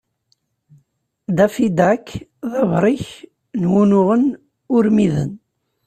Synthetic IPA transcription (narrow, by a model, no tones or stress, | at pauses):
d̪æfid̪ækːðɑvɾˤiç | nwunʊʁən | ʊɾmiðə̰n